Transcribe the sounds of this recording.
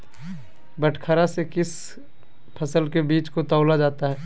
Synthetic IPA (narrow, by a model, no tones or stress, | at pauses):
bəʈʰkʰaɾasekɪs | pʰɐsəlkebiːt͡ʃkot̪ɔːlad͡ʒaːt̪aɦɛː